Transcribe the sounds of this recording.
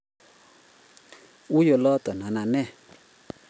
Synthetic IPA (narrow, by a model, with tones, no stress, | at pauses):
u˦jɔ˧˨lɔ˦t̪ɔ˨na˨na˨nɛ˦˨